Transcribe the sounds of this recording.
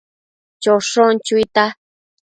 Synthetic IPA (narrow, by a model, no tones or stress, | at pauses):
t͡ʃoʂont͡ʃujt̪a